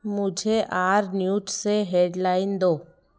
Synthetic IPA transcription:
mʊd͡ʒʱeʔaːɾnjuːʈseɦeːɖlaːɪnd̪oː

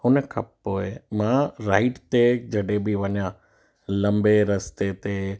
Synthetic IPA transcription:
ɦʊnəkʰãːppoːemãːɾaːɪʈt̪ed͡ʒɐɽebiʋɐɲjãː | lɐ̃mbeɾɐst̪et̪e

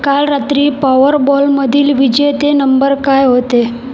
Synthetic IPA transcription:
kalɾat̪ɾiːpaʋəɾbɔlməd̪ʱiːlʋid͡ʑet̪enəmbəɾkajɦot̪e

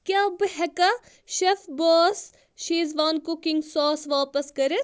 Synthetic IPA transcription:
kjaːbɨɦɛkɐ | ʃɐfboːs | ʃiːzʋaːnkʊkɪŋɡsɔːsʋaːpɐskɐɾe

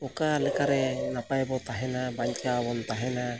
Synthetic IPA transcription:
ɔkalɛkaɾɛnapajbɔt̪aɦɛnabaɲkaːwɔnt̪aɦɛna

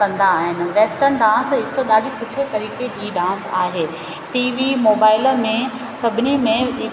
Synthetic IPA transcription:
kɐ̃nd̪aːɦɪnɪ̆ʋeːsʈənɖãːsɦɪkʊ̆ɗaːɗisʊʈʰet̪ɐɾiːked͡ʑiːɖãːnsa̰ːɦeː | ʈiːʋimoːbaːɪləmẽ | sɐbʱɪnimẽɪ

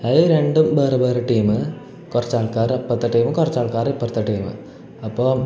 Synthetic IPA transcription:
ɐjiɾe̞ɳɖumbeːrɐbeːrɨʈːiːmɨ | kurɐt͡ɕːaːɭkːaːrɨɐpːɐt̪ːɐʈːiːmɨkurɐt͡ɕːaːɭkaːɾɨpːɐt̪ːɐʈːiːmɨ̰ | ɐpːoː

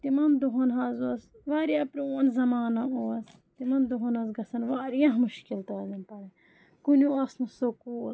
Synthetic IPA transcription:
t̪imɐnd̪uɦonɦɐzuɐs | ʋaːɾijãpɾioːnzɐmaːnɐoɐs | t̪imɐnd̪uɦonɐzɡɐsɐnʋaːɾijãɦmuʃkilt̪ɐzɐnpɐɾɐ | kunuɐsnusokuːl

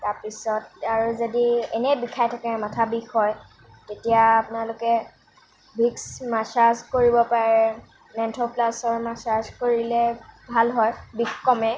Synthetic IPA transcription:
taɹpisɔtaɹuzodiɛnɛbikʰajtʰakɛmatʰabixɔj | tetijaːpʊnalʊkɛ | bʱiksmasazkoɹibɔpaɹɛ | nɛntʰoplasɔɹmasazkoɹilɛbʱalɦɔjbixkɔmɛ

